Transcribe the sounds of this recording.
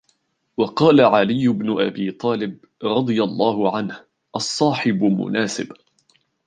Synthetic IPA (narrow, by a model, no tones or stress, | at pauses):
wɑqɑːlaʕalɪjːʊbnʊʔabiːt̪ˤɑːlɪb | ɾˤɑd̪ˤɨjalˤːɑːhʊʕanh | ʔɑsˤːɑːħɪbʊmʊ̰naːsɪb